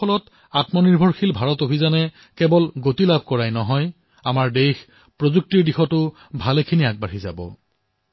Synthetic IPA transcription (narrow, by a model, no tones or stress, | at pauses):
ɔlɔt | atmɔniɹbʱɔɹxʰilbʱaɹɔtobʱizanɛ | kɛbɔlɡotilabʱkɔɹajnɔɦɔj | amaɹdejx | pɹozuk̚tiɹdixɔtʊ | bʱalekʰiniaɡ̚baɹiza̰bɔ̰